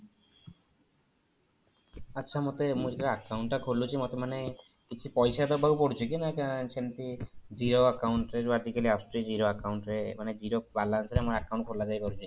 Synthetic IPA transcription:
atːɕʰamot̪emud͡ʑkaakːawɳʈːakʰoɾlut͡ɕʰimot̪omane | kit͡ɕʰupɔjʃad̪ɔbawpoɽt͡ɕʰekinakʃent̪id͡ʑiɾoakawɳʈɾeɾbaɾt̪ikaliasʈɾid͡ʑiɾoakawɳʈɾemaned͡ʑiɾobalːansɾeamaɾakaw̃ɳʈ̚kʰoɾlad͡ʑajkoɾut͡ɕʰi

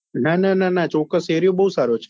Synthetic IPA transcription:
nanananat͡ʃɔkːəseɾijobəɦusaɾot͡ʃʰe̥

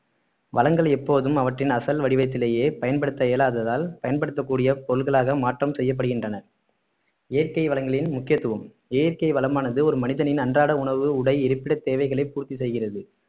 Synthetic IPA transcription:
ʋɐlɐŋɡɐɭɛpːoːðɯmɐʋɐʈrɪnɐsɐlʋɐɽɪʋɐɪt̪ːɪleːjeːpɐjɐnpɐɽɯt̪ːɐeːlaːðɐðaːlpɐjɐnpɐɽɯt̪ːɐkːuːɽɪjɐpɔɾɯlɣɐɭaːɣɐmaːʈrɐmsɛjːɐp̬ːɐɽɯɣɪndrɐnɐɾ | eːɾkɐɪʋɐlɐŋɡɐɭɪnmʊkːɪjɐt̪ːɯʋɐm | eːɾkɐɪʋɐlɐmaːnɐðɯɔɾɯmɐnɪðɐnɪnɐndraːɽɐʊɳɐʋɯʊɽɐɪɪɾɯpːɪɽɐt̪ːeːʋɐɪɣɐɭɐɪpːuːɾt̪ːisɛjɣɪrɐðɯ

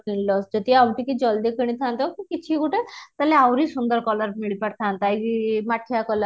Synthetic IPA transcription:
kiɳlɔsd͡ʑət̪iawʈikid͡zɔld̪ikəɽ̃ĩt̪ʰãnt̪əkikit̪ʰikuʈet̪əleawɾiːsund̪əɾkɔləɾmiɭipaʈ̚t̪ʰãnt̪ajimaʈʰijakɔləɾ

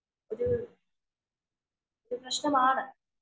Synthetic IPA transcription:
oɾu | oɾupɾɐɕnɐmaːɳɨ

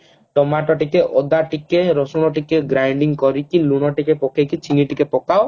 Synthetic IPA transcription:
ʈɔmaʈɔʈikeʔɔd̪aʈikeɾɔsunɔʈikeɡɾajɳɖiŋkɔɾikilunɔʈikepɔkʰekit͡ʃʰiniʈikepɔkaw

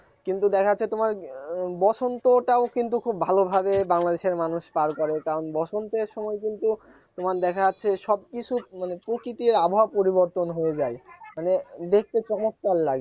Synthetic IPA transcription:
kint̪ud̪ɛkʰat͡ɕʰet̪omaɾbɔʃʰont̪oʈaokint̪̬ukʰubːʱalobʱabebaŋlad̪eʃeɾmanuʃpaɾkɔɾekaɾonbɔʃʰont̪eɾʃɔmɔek̬int̪u | t̪omaɾd̪ɛkʰaːt͡ɕʰeʃɔb̚kit͡ɕʰumanepɾokɾit̪iɾabʱoɦapoɾiboɾt̪onɦoed͡ʑaemaned̪ek̚ʰt̪et͡ɕɔmot̪̚kallaɡe

